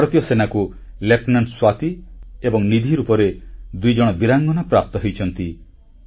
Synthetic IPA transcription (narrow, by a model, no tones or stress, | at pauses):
ɾɔt̪jɔsenaku | lepnanɖswat̪iebɔŋnid̪ʱiɾupɔɾed̪ujd͡ʒɔɽ̃ɔbiɾaŋɡɔnapɾap̚t̪ɔɦejt͡ʃʰɔnt̪i